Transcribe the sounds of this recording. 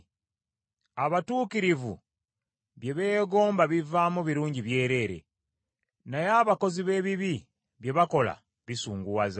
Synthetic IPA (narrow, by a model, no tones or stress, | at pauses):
aβatuːkiɾivṵ | βje̞βe̞ːɡo̞ːmbaβivaːmuβiɾuːɲɟiβje̞ːɾe̞ːɾe̞̰ | najaːβako̞ziβe̞ːβiβi | βje̞βako̞la̰ | βisuːŋɡuwaza